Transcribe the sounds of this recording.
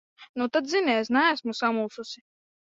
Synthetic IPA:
nut̪ad̪zinɛsnæːsmusamulˠsusi

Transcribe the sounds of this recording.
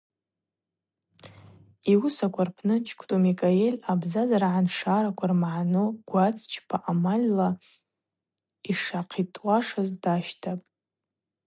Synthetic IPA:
iwʊsakʷʰarpʰnɨt͡ʃʰkʷʰtʼumikʼaelʲabzazaɾaʕanʂaɾakʷʰarmaʕanoɡ̥ʷat͡sʰʼt͡ʃʰpʰaʔamalʲla | iʂaqʰitʼwaʂazdaʃtʰapʼ

